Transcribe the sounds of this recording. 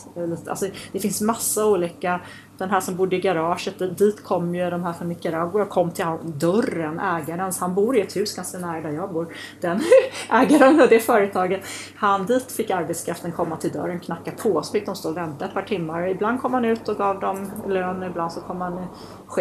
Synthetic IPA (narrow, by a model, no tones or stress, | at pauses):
liːt̪əa̰sɔd̪̥ɛfɪnsmasːauːliːka | d̪̥ɛnɦæːʂɔmbʊd̪ːəɪɡaɾɑːʂət̪̚d̪d̪iːt̪kʰɔmːjɵd̪ɔmɦæːɾfɔnːɪkəɾɑːɡʊakʰɔmːt̪ʰɪlhand̪œrənʔɛːɡaɾənsɔhanbuːɾɪɛt̪hʉ̟ːsɡ̥anskanæːɾd̪aɾjɑːɡbuːɾ | d̪̥ɛnʔɛːɡaɾənɔd̪ɛːfœːɾət̪ʰɑːɡət̪ | hand̪iːt̪fɪkːaɾbɛt̪skʰɾaft̪ənkʰɔmːat̪ʰɪld̪œ̰ɾːənkʰnakːapʰoɔsɔfɪk̚d̪ɔmst̪oːvɛnt̪aɛt̪̚pʰɑːʈʰɪmːaɾɪbland̪kʰɔmːhanʉ̟ːt̪ɔɡɑːvd̪ɔmløːnəɾɪbland̪sɔkʰɔmːhan | ɧe